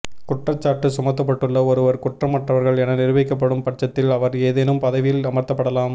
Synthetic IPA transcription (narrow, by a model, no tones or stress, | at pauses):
kʊʈrɐt͡ʃːaːɾʈːɯsʊmɐt̪̬ːɐp̬ːɐʈːɯɭːɐɔɾɯʋɐɾkʊʈrɐmːɐʈrɐʋɐɾɣɐɭɛnɐnɪɾɯʋɛkːɐp̬ːɐɽɯmpɐʈ̚t͡ʃːɐt̪ːɪlɐʋɐɾeːðɛnɯmpɐðɐʋɪlɐmɐɾt̪ːɐpːɐɽɐlaːm